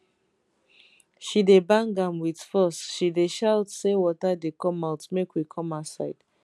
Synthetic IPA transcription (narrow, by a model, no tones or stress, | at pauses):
ʃidebãŋɡãmwidfɔsʃideʃaltsewɔtadekɔ̃maʊtmekwikʰɔ̃masaɪd̥